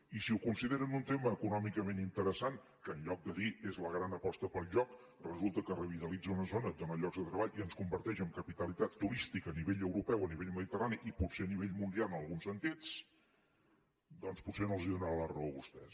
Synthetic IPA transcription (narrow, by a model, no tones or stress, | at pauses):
isiukunsiðeɾənunt̪eməːkunɔmikəmenint̪əɾəsaŋ | kəːnʎɔk̚d̪əðiezləɣɾanəpɔst̪əpəlˠʒɔk | rəzulˠt̪əkərəβit̪əlid͡zəunəzonəonaʎɔɡzðət̪ɾəβaʎiənskumbəɾt̪ɛʃəmkəpit̪əlit̪at̪ːuɾist̪ikəniβeʎəwɾupɛwəniβeʎməðit̪əraniʔiputseəniβeʎmund̪ialˠənəlˠɣunsənt̪it͡s | d̪ɔnspusenolˠziðunɾalərəoβust̪ɛs